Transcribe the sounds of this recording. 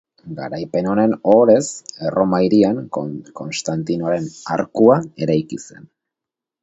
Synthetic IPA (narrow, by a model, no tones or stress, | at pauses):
ɡa̰ɾajpe̞no̞ne̞no̞ɾe̞se̞rʔo̞majɾiaŋko̞nst̪ant̪inoɾe̞na̰ɾkuae̞ɾajkise̞̰n